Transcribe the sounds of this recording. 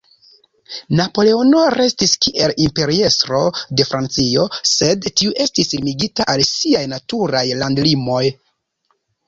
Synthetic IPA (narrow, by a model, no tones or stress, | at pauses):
napo̞le̞o̞no̞ɾe̞stiskiʔe̞limpe̞ɾie̞stɾo̞de̞fɾant͡sio̞se̞dtiuʔe̞stisilmiɡitaʔalsiajnatuɾajlandlimo̞j